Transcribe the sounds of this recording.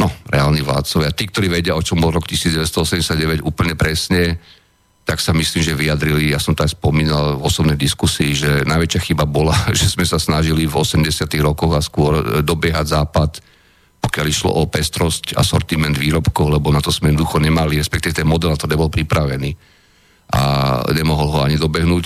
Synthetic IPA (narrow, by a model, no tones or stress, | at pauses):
nɔɾɛaːlniʋla̰ːt̪t͡sɔʋɪat̪iːk̚t̪ɔɾiːʋɛɟɪaɔt͡ʃɔmbɔlˠɾɔkcisiːd͡zɟɛʋɛst̪ɔɔsɛmɟɛsjaɟɟɛʋɛɟuːpl̩ɲɛpɾɛsɲɛ | t̪aksamisliːmʒɛʋijad̪ɾilijasɔmt̪ɔajspɔmiːnalvɔsɔbnɛjd̪iskusiːʒɛnaɪʋɛt͡ʃɪaxibabɔlaʒɛzmɛsasnaʒilivɔsɛmɟɛsɪat̪iɣɾɔkɔɣaskʊɔɾd̪ɔbɪɛɦaɟzaːpat̪ | pɔkɪaliʃlɔ̰ʔɔpɛst̪ɾɔsca̰sɔɾt̪imɛnd̪ʋiːɾɔpkɔʊlɛbɔnat̪ɔz̥mɛɛd̪nɔd̪uxɔɲɛmaliɾɛspɛkt̪iʋɛt̪ɛnmɔd̪ɛlakt̪ɔɾɲɛbɔlpɾipɾaʋɛniː | ʔa̰ɲɛmɔɦɔlɦɔaɲid̪ɔbɛɦnuːc